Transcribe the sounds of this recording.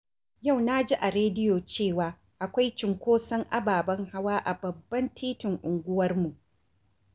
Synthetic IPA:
ja˦˨wna˦d͡ʒi˦ʔa˨ɾeː˦dɪ˦joː˨t͡ʃeː˦˨waː˨ | ʔa˨kʷa˦jt͡ʃɪ˨ŋkʷoː˦sɐ˦ŋʔa˦baː˨bɐ˦ŋha˦waː˦ʔa˨bɐ˨bːɐ˦ntʰiː˦tɪ˨ŋʔʊ˨ŋɡʷʊ˦wɐ˦rmu˨ʔ

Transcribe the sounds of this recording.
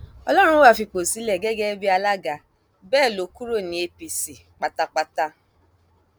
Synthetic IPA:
ɔ˧lɔ˦ɾ̃ʊ̃˦wa˦˨fi˧k͡po˨si˨˦le˨ɡɛ˦ɡɛ˦bi˦a˧la˦ɡa˨ | bɛː˦˨lo˨ku˦ɾo˦˨nĩ˨e˨pi˨si˨k͡pa˨ta˦k͡pa˦ta˦

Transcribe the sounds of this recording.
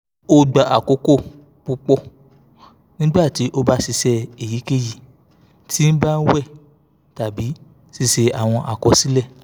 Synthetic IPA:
o˧ɡ͡ba˨ʔa˨ko˨˦ko˦˨ | pu˧k͡pɔ˦˨ | nĩ˦ɡ͡ba˦˨ti˨˦ʔo˧ba˦si˧sɛ˧e˨ji˨˦ke˦˨ji˨ | tʰi˦n̩˦ba˦˧n̩˦wɛ˦˨ | ta˨bi˨˦ | si˧se˧a˨w̃ɔ̃˧ʔa˨kɔ˧˦si˨˦lɛ˦˨

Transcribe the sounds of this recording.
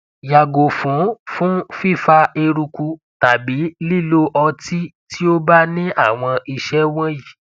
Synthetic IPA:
ja˨ɡo˨fũ˨˦fũ˦fi˦˨fa˧e˧ɾu˧ku˧ | ta˨bi˨˦li˦˨lo˦ʔɔ˧ti˦tʰi˦o˦ba˦nĩ˦ʔa˦˨w̃ɔ̃˧i˧ʃɛ˦w̃ɔ̃˦ji˨

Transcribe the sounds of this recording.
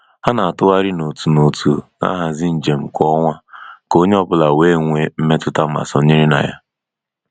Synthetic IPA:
ha˦na˨a˨tʊ˦ɣa˦ɾɪ˦no˨tu˨no˨tu˨na̰˦ɦa˨zɪ˦n̩˨d͡ʒe˨m̩˨kʷɔ˦ŋʷa˦ko˦ɲe˦ɔ˦bʊ˦la˨weː˦˨ŋʷe˨m̩˦me˦tʊ˦ta˦m̩˦a̰˨sɔ˨ɲe˦ɾi˦na̰˨ja̰˦

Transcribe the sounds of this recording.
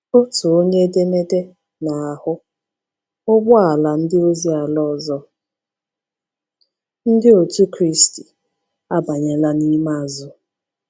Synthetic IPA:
kʊ˦tʊ˨o˦ɲe˦de˦ne˦de˦ | na˨a˨hʊ˦ | ʊ˦bʊ˦a˨la˨n̩˦dɪ˦o˦zi˦a˨lɔ˦˨zɔ˦ | n̩˦dɪ˦o˨tu˦kɾi˦sti̥˨ | a˦ba˨ɲe˨la˦ni˦ma˦˨zʊ˦

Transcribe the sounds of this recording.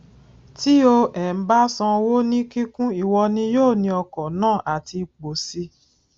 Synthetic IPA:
ti˦o˧ʔɛ˨m̩˨˦ba˦sã˧wo˦nĩ˦ki˦kũ˦i˦˨wɔ˧nĩ˧joː˦˨nĩ˧ɔ˧kɔ̃˨nãː˦˨ʔa˨ti˧k͡po˨si˧˦

